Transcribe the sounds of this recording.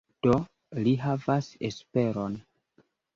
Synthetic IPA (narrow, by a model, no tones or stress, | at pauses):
d̥o̞ | liɦavasḛspe̞ɾo̞n